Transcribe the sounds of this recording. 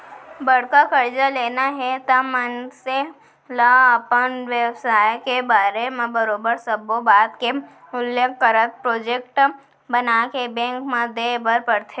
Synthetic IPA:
bəɽ̤kakəɾd͡ʒaleːnaɦɛt̪amənse | laəpənʋewsaːjkebaːɾemẽbəɾoːbəɾsəbobaːt̪ke | ʊlːekːəɾət̪̚pɾoːd͡ʒeːkʈ | bənakebɛ̃ŋkmãd̪ebəɾpəɽt̪ʰe

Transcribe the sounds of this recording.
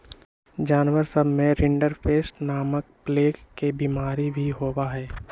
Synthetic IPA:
d͡ʒaːnwəɾsəbʱmẽɾɪ̃ɳɖəɾpʰeːsʈnaːmək̚pleːkkːebiːmaːɾibʱiɦoːwaɦɛː

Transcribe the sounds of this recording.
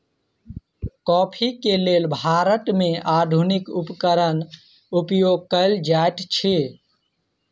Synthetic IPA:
kɔːpʰikeleːlbʱaːɾəʈ̪mẽʔaːd̪ʱunikupkəɾən | upjoːɡ̚kəɪld͡ʒaet̪t͡ʃʰe

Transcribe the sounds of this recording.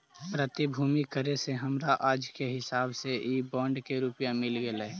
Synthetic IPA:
pɾət̪ibʱuːmikəɾeseɦəmɾaʔaːd͡ʒkeɦɪsaːbseʔibɔːɳɖkeɾupjamɪlɡelɛ

